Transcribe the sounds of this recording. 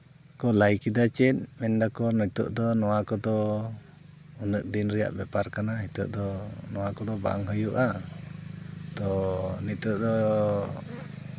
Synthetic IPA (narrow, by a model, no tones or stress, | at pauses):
kɔlajkid̪at͡ʃɛt̪̚mɛnd̪akɔnɔt̪ṵʔd̪ɔnɔwakɔd̪ɔ | unəʔ̚d̪inɾɛja̰ʔbɛpaɾkanaɦit̪ṵʔd̪ɔnɔwakɔd̪ɔba̰ʔaŋɦəjuʔa | t̪ɔnit̪uʔd̪ɔ